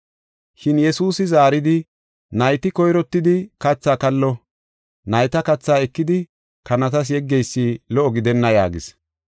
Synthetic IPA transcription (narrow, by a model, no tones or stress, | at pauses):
ʃɪnjɛsuːsɪzaːɾɪd̪ɪ | nɐjt̪ɪkɔjɾɔt̪ːɪd̪ɪkɐt͡sːaːkɐlːɔ | nɐjt̪ɐkɐt͡sːaːɛkːɪd̪ɪ | kɐnɐt̪ɐs̬jɛɡːɛjsːiːlɔʔɔɡɪd̪ɛnːɐja̰ːɡɪs